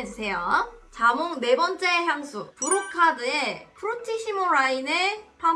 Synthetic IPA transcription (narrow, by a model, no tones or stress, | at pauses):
esʰejʌt͡ɕamoŋne̞bʌnt͡ɕ͈e̞ɦjaŋsʰupuɾokʰadɯe̞pʰɯɾotʰiɕimoɾainepʰa